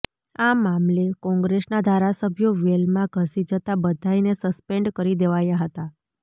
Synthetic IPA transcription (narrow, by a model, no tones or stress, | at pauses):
amamlekɔ̃ŋɡɾesnad̪ʱaɾasəbʱjoʋelmãɡʱəsid͡ʒət̪abəd̪ʱainesəspeɳɖkəɾid̪eʋajaɦət̪a